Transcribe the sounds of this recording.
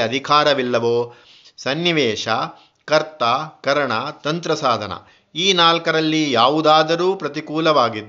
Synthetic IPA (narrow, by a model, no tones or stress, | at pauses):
ɐd̪ʱikaːɾɐʋilːɐʋoː | sɐnːiʋɛːʃɐ | kɐɾt̪akɐɾɐɳɐt̪ɐnt̪ɾɐsaːd̪ʱɐnɐ̰ | iːnaːlkɐɾɐlːijaːʋud̪aːd̪ɐɾuːpɾɐt̪ikuːlɐʋaːɡid̪